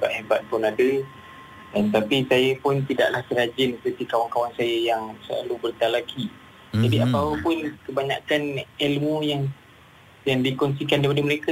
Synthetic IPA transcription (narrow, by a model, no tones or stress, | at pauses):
baʔ̪̚hebat̪̚pʊnadə | dant̪apisajəpʊnt̪ida̰ʔlahsəɾad͡ʒɪnsəpərt̪ikawaŋkawaŋsajəjaŋsəla̰lubərt̪alaki | d͡ʒadiapawəpʊnkəbaɲa̰kanelmujaŋ | jaŋdikɔns̬ikandaipadəməɾeka